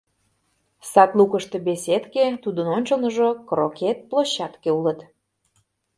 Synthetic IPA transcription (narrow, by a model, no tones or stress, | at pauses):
sɑt̪lukəʃt̪ebeset̪ket̪ud̪ənonʲt͡ɕəlnəʒokroket̪̚plˠoɕːɑt̪keulət̪